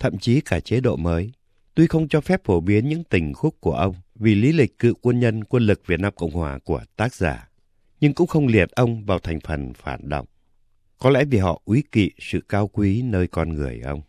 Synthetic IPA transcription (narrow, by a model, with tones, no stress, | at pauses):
t̪ʰə̰˧˨mt͡ɕi˨˦kaː˧˩t͡ɕe˨˦ɗo̰˧˨məː˨˦j | t̪u˧jxə˧wŋ͡mt͡ɕɔ˧fɛ˦˥p̚fo˧˩ɓi˨˦ənɲɨ̰˧˥ŋt̪ï˨˩ŋ̟xʊ˦˥k͡p̚ku˧˩əʔə˧wŋ͡mvi˨˩li˨˦lï˨˩k̟̚kɨ̰˧˨kwə˧nɲə˧nkwə˧nlɨ˨˩k̚vi˨˩t̚naː˧mkə̰˧˨wŋ͡mhwa̰ː˨˩ku˧˩ət̪aː˦˥k̚za̰ː˧˩ | ɲɨ˧ŋkʊ̰˧˥ŋ͡mxə˧wŋ͡mli˨˩ət̚ʔə˧wŋ͡mvaː˨˩wt̪ʰɛ˨˩jŋ̟fə˨˩nfaː˧˩nɗə̰˧˨wŋ͡m | kɔ˨˦lɛ̰˧˥vi˨˩ɦɔ̰˧˨ʔwi˨˦kḭ˧˨sɨ̰˧˨kaː˧wkwi˨˦nəː˧jkɔ˧nŋɨ˨˩əjʔə˧wŋ͡m